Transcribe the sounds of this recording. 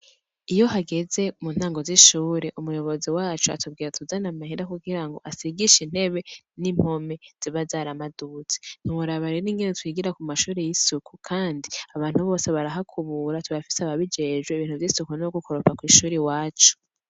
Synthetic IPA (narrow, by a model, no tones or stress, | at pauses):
ijo̞haɡe̞ze̞muːn̥haːŋɡo̞ziʃuːɾeʔumujo̞βo̞ziwaːt͡ʃua̰tub̚ɡiːɾatuzanamahiɾakuɡiɾaŋɡo̞̰ʔasiɡiʃinhe̞βe̞ | nim̥ho̞me̞z̥iβazaːɾamadut͡se̥n̥umuɾaβaɾeɾiːŋɡenetwiːɡiɾakumaʃuːɾejisukukʰaːndiaβaːn̥huβo̞ːseβaɾaɦakʰuβuɾatuβafi̥seaβaβid͡ʒeːʒɡweiβiːn̥uvjisukunoɡukoɾopakwiːʃuːɾewaːt͡ʃu̥